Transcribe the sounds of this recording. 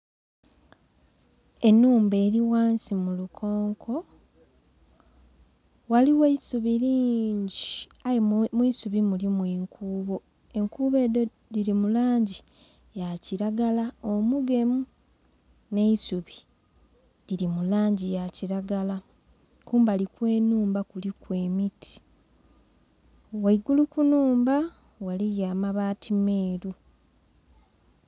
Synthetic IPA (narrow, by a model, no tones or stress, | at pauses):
e̞nːuːmbe̞ːɾiwaːnsimulukʰo̞ːŋkʰo̞ | waliweisuβiɾiːɲɟi | ajemwiːsuβimulimwiːŋkʰuːβo̞ | e̞ŋkuːβe̞ːdo | diɾimulaːɲɟi | jaciɾaɡalaomuɡe̞mu | ne̞isuβi | ɾiɾimulaːɲɟijaciɾaɡala | kuːmbalikwe̞ːnuːmbakulikwe̞ːmitʰi̥ | waiɡulukunuːmba | walijaːmaβaːtʰimeːɾu